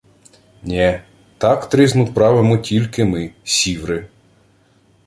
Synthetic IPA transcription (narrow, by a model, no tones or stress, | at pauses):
nʲɛ | t̪ɑkt̪ɾiznʊpɾɑʋemɔtʲilʲkɪmɪsʲiʋɾɪ